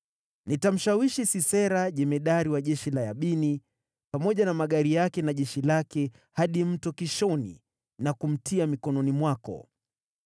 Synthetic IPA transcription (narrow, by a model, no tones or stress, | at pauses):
nitam̩ʃawiʃisisɛɾaʄɛmɛɗaɾiwaʄɛʃilajaɓini | pamɔʄanamaɠaɾijakɛnaʄɛʃilakɛ | haɗim̩tɔkiʃɔnḭ | nakum̩tiamikɔnɔnimwakɔ̰